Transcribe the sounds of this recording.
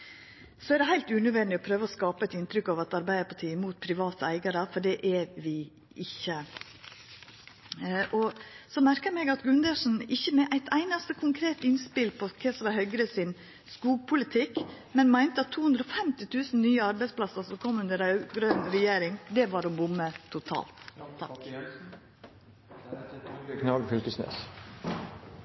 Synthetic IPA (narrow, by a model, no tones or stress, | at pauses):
sɔæɛɾd̪ɛhæɪlt̪ʉnœʋɛnd̪ɪɔpʰɾøːʋəɔskɑːpəɛt̪ɪnt̪ɾʏkːɑʋɑt̪ɑɾbæɪd̪əpʰɑʈʰiːəmuːt̪̚pʰɾɪʋɑːt̪əæɪɡɑɾəfɔɖɛʔɛʋɪ | ʔɪçːə | ʔɔsɔmæɾkəmɛɡɑt̪ɡʉnd̪əʂn̩ɪçːəmɛʔæɪt̪æɪnɑst̪əkʰʊŋkʰɾeːt̪ɪnspɪlpʰɔkʰɛsʋɑhœʏɡɾəsɪn | skuːɡ̚pʰʊlɪt̪ʰɪkmɛnmæɪnt̪əɑt̪ʰːuːhʉnd̪ɾɔfɛmt̪ɪt̪ʰʉːsn̩nyːəɑɾbæɪsplɑsəɾsɔkʰɔmːʉnd̪əɾɡɾøːnɾɛjeːɾɪŋd̪ɛʋɑɾɔbʊmːət̪ʰʊt̪ʰɑ̰ːlt̪ʰɑk | kʰnɑɡfʏlkəsnḛːs